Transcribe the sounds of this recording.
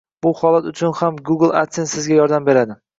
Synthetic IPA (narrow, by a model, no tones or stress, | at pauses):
b̥ʊhɒlˠat̪ʊt͡ʃʰʊnhamɡʊɡlˠa̰t̪sensɪzɡʲajɒɾd̪ambe̞ɾad̪ɪ